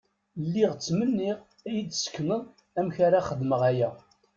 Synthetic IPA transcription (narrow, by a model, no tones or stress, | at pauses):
lːiʁt͡sːmənːiʁ | æjəd̪sə̥kːnəð | æmçaɾaχəðməʁæjæ